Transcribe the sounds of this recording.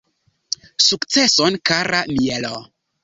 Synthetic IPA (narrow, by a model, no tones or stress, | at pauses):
sukt͡sesonkaɾamielo